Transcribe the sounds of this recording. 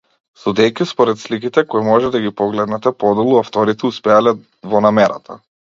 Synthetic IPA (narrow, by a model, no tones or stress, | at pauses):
sud̪ɛjkʲispɔɾɛt̪slikit̪ɛkɔimɔʒɛd̪aɡʲipɔɡlɛd̪nɛt̪ɛpɔd̪ɛlˠuaft̪ɔɾit̪ɛuspɛalɛ | vɔnamɛɾa̰t̪ʰa